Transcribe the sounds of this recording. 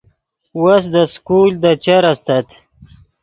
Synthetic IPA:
was̬d̪əskuld̪ət͡ʃaɾast̪at̪

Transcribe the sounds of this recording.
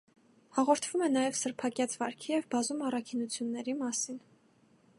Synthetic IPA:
hɑʁɔɾt̪ʰv̥umɛnɑjɛvsəɾpʰɑkjɑt͡svɑɾkʰijɛvbɑzumɑrɑkʰinut͡sʰjunːɛɾimɑsin

